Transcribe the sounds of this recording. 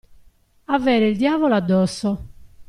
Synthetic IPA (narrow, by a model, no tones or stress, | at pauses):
avɛːɾeild̪jaːvɔload̪ːɔsːɔ